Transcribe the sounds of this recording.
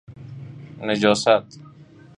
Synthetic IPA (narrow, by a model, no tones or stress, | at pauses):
ned͡ʒoːsat̪